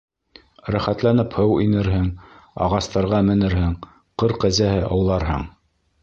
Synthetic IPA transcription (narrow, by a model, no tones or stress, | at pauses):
ɾæχæt̪lænɘphɤwinɘɾɦɘɴ | ɑ̰ʁɑst̪ɑɾʁɑmɘ̆nɘɾhɘɴ | qɤɾqæzæɦɘʔɑwlˠɑɾɦɤ̰ɴ